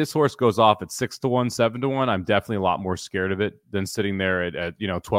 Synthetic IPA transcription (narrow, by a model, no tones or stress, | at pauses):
ðɪshɔɹsɡ̥oʊzɔfɨtsɪkstʰəwʌ̃nsɛvn̩tʰəwʌ̃nãɪ̃mdɛfənətˡliəlɔ̰t̚mɔɹskɛɹɾʌvɪt̚ðɨ̃nsɪɾɪ̃ŋðə˞ɨtɨt̚jɨnoʊtʰw̥ɛ